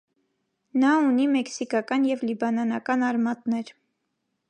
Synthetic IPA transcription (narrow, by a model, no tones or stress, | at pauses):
nɑunimɛksikɑkɑnjɛvlibɑnɑnɑkɑnɑɾmɑt̪nɛɾ